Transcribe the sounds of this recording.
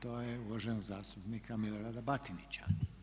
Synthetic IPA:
t̪oːjeuloʒenzaːst̪upniːkamiloɾaːd̪abat̪init͡ɕa̰

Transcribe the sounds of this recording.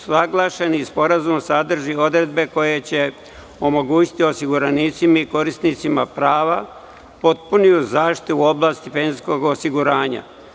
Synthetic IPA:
aɡlˠaʃenispo̞ɾazumsad̪r̩ʒio̞d̪ɾe̞d̪̚be̞ko̞je̞t͡ɕe̞ | o̞mo̞ɡuːt͡ɕi̥t̪io̞siɡuɾanit̪simaiko̞ɾist̪nit̪simapɾaːʋa | po̞t̪punijuzaːʃt̪i̥t̪uo̞blˠaːst̪ifensko̞ɡosiɡuɾaːɲa̰

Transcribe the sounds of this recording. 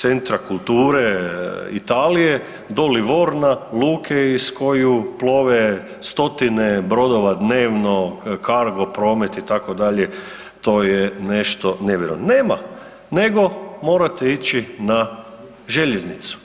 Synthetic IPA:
t̪sent̪ɾakulˠt̪uːɾeḭt̪aːlije | d̪oliʋo̞ɾnaluːkʰeisko̞juplˠo̞ʋe | st̪o̞t̪inebɾo̞d̪o̞ʋad̪neːʋno̞kaɾɡo̞pɾo̞ːmet̪it̪akod̪aʎe | t̪o̞ːjene̞ʃt̪o̞neʋjeɾo̰ʋnneːma̰ | ne̞ɡo̞mo̞ːɾat̪eit͡ʃina | ʒeʎeznit̪su̥

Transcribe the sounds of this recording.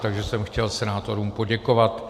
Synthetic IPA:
t̪aɡʒɛsɛmxcɛlsɛnaːt̪o̞ɾuːmpo̞ɟɛko̞vat̪

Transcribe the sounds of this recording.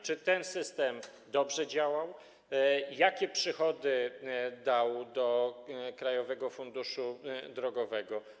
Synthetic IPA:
t͡ʂɘt̪ɛnsɘst̪ɛm | d̪ɔbʐɛd͡ʑawaw | jakʲɛpʂɘxɔd̪ɘd̪awd̪ɔkɾajɔvɛɡɔfund̪uʂud̪ɾɔɡɔvɛɡɔ

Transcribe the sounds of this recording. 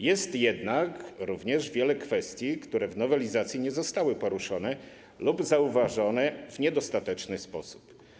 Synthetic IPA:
jɛst̪jɛd̪nakɾuvɲɛʐvʲjɛlɛkfɛst̪ʲjikt̪uɾɛvnɔvɛlʲizat̪sʲjiɲɛzɔst̪awɘpɔɾuʂɔnɛ | lubzauvaʐɔnɛvɲɛd̪ɔst̪at̪ɛt͡ʂnɘspɔsu̥p

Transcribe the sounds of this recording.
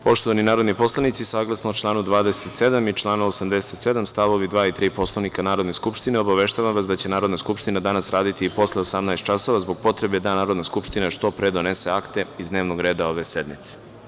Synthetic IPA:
po̞ʃt̪oaninaːɾo̞d̪nipo̞slˠanit̪sisaːɡlˠasnot͡ʃlˠaːnud̪ʋaːd̪eset̪se̞d̪amit͡ʃlˠaːnaosamd̪eset̪se̞d̪amst̪aʋo̞ʋid̪ʋaːit̪ɾiːpo̞slˠanikanaːɾo̞d̪ne̞skupʃt̪ineo̞baʋe̞ʃt̪aːʋamʋasd̪at͡ɕe̞naːɾod̪naskupʃt̪inad̪anasɾaːd̪it̪iːpo̞sleosamnaest̪t͡ʃaso̞ʋazbo̞ɡ̚po̞t̪ɾe̞bed̪anaːɾod̪naskupʃt̪inaʃt̪o̞pɾed̪o̞nese̞akt̪e̞izd̪neːʋnoɡɾe̞ːd̪aoʋesed̪mit̪se̥

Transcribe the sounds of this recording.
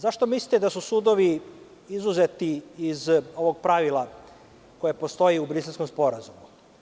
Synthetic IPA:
zaʃt̪o̞misli̥t̪ed̪asusud̪o̞ʋi | izuzet̪iːzo̞ʋo̞ɡpɾaʋilˠa | ko̞jepo̞st̪o̞iubɾiselsko̞mspo̞ɾazumu

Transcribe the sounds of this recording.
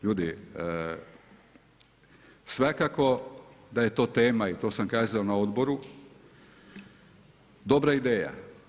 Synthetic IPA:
ʎuːd̪i | sʋakako̞d̪aje̞t̪o̞ːt̪e̞ːmait̪o̞ːsamkaːzaonao̞d̪bo̞ɾu | d̪o̞bɾaid̪eːja̰

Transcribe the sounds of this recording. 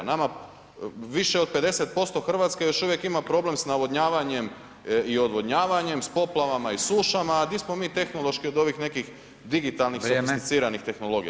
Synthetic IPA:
nama | ʋiʃe̞ope̞d̪e̞se̞t̪̚po̞st̪o̞xr̩ʋat̪skejo̞ʃuʋje̞kimapɾo̞ble̞msnaʋo̞d̪ɲaːʋaɲe̞m | io̞d̪ʋo̞d̪ɲaːʋaɲe̞mspo̞plˠaʋamaisuːʃamaːd̪ismo̞miːt̪e̞xno̞lˠo̞ʃkio̞d̪o̞ʋixne̞kix | d̪iɡit̪alnixɾoiit̪it̪siːɾanixt̪e̞xno̞lo̞ɡḭj

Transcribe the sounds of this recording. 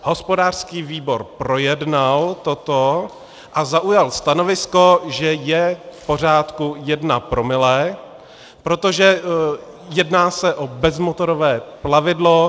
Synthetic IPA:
ho̞spo̞daːr̥skiːviːbo̞ɾpɾo̞jɛdnalt̪o̞t̪o | ʔazaʔujalst̪ano̞vɪsko̞ʒɛjɛfpo̞r̝aːt̪kujɛdnapɾo̞mɪlɛː | pɾo̞t̪o̞ʒɛ | jɛdnaːsɛʔobɛzmot̪o̞ɾovɛːplavɪdlo

